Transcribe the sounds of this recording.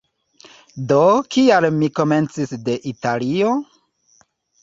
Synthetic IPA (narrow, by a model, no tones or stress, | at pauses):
dokialmiko̞ment͡sisde̞ʔitalio̞